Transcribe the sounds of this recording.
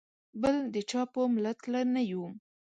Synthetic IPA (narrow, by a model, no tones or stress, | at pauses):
bəld̪ət͡ʃɑpomlat̪lanaju